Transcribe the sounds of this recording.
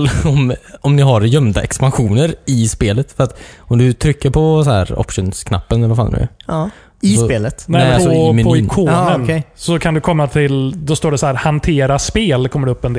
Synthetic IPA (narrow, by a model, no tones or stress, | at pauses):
ɔmɔmnɪɦaɾjœmd̪aʔɛkspanɧuːnəɾɪspeːlət̪fœɾat̪ɔmd̪ɵt̪ʰɾʏkːəɾpʰɔsɔhæ̰ːɾɔ̰pʂʊnskʰna̰pːənalafalnʉ̰ | sɔpeːlət̪nɛɔɔmpɔkʰoːnənʰɛsɔkʰand̪ɵkʰɔmːat̪ʰɪld̪ɔst̪oːɖɛsɔhæːɾhant̪ʰeːɾaspeːlkʰɔmːəɖɛɵpːɛnd̪